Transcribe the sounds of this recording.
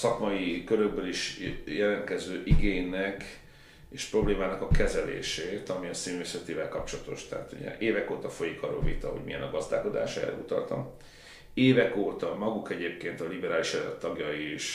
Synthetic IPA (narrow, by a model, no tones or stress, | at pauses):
sɒkmɒjikøɾøɡ̚bøliʃjɛlɛnt̪kɛzøːʔiɡeːɲːɛk | eːʃpro̞bleːmaːnɒkɒkɛzɛlḛːʃeːt̪ɒmiɒsimesɛt̪ivɛlkɒp̚t͡ʃo̞lɒt̪o̞̰ʃt̪ɛɦa̰t̪ṵɟɛ̰ʔeːvɛkoːt̪ɒfo̞jikʰɒrːo̰ːlvḭt̪ɒho̞ɟmḭjɛ̰nɒɡɒzd̪a̰ːko̞d̪a̰ːʃɛ̰rɛ̰ut̪ɒ̰lt̪ɒ̰m | eːvɛkoːt̪ɒmɒɡukɛɟeːpkeːnt̪ɒlibɛɾaːliʃɛlɛ̰t̪ːɒɡjɒiʃ